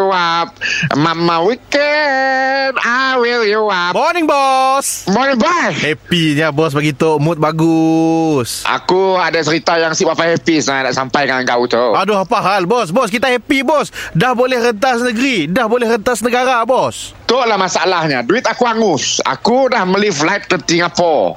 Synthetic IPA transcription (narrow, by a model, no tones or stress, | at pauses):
wap̚mamãwikɛ | nawiljuwamɔnɪ̃ŋbɔsmɔnĩŋbashɛpiɲabɔs̬baɡit̪oʔmʊt̪̚baɡusʔa̰kuadat͡ʃəɾit̪ajaŋsiʔpapajhɛpisnada̰ʔsampajkaŋaŋɡaut̪oʔaduɦapaɦalbɔs̬bɔskit̪ahɛpibɔsdahbolɛhrənt̪̬asnəɡəɾidahbolɛhrənt̪asnəɡaɾabɔs | t̪oʔlahmasaalahɲaduit̪akuaŋʊsa̰kudahməliflajt̪̚kət̪iŋapɔ